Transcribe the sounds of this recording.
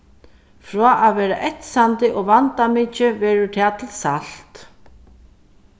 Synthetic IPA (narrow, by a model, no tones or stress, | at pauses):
fɾɔːʔaðvɛːɾaʔɛt̪sant̪ɪʔɔɣvant̪amɪːt͡ʃɪvɛːɾʏt̪ʰaːt̪ʰɪlsal̥t̪